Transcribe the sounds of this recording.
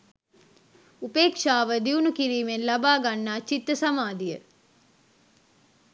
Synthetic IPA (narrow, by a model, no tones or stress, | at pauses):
upeːkʂaːʋəd̪iunukiɾiːmenlɐbaːɡanːaːt͡ʃit̪ːəsɐmaːd̪ijə